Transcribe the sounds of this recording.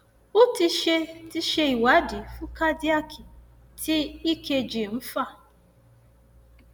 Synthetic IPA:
ʊ˦ti˦ʃe˦ti˦ʃe˦i˨wa˨˦di˨fu˦ka˦di˦a˦kʰi˨ | tʰɪ˦i˦ke˧d͡ʒi˨m̩˦fa˦˨

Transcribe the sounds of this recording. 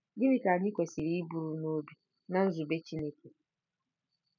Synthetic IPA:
dɪ˦mɪ˦ka˨ɲɪ˦kʷe˨si˨ɾi˦i˦bu˨ɾu˦no˦bi˨ | na˦n̩˦zʊ˨be˦t͡ʃi˦ne˦ke˨

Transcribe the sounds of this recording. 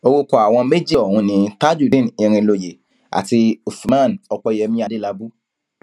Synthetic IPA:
o˧wo˧kɔ˨a˨w̃ɔ̃˧me˦d͡ʒi˦ɔ˨hũ˧˦nĩ˨˧˦ta˦d͡ʒu˦˨dĩ˦˨nĩ˧ɾ̃ĩ˧lo˨je˨ | a̰˨ti˧u˨smã˦˨nɔ˧k͡pɔ˧˨jɛ˧mĩ˧˦a˨de˦la˧bu˦

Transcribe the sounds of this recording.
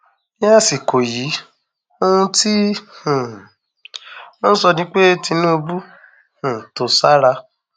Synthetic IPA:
a˦˨si˨kʰo˨ji˨˦ | o˧ũ˧ti˦hũ˨ | mɔ˦ñ̩˦sɔ˧nĩ˦k͡pe˦ti˧nũ˦o˧bu˦ | hũ˨to˨˧sa˦ɾa˧

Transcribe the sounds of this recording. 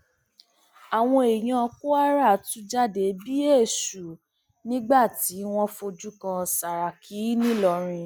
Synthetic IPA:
a˨w̃ɔ̃˧e˨j̃ã˧ɔ˧ku˦a˦ɾa˦˨tũ˨˦d͡ʒa˦de˨˦bi˦e˦˨ʃu˨ | nĩ˦ɡ͡ba˦˨ti˨˦w̃ɔ̃˦fo˧d͡ʒu˦kã˧sa˨ɾa˨ki˨˦nĩ˦lɔ˧˨ɾ̃ĩ˧

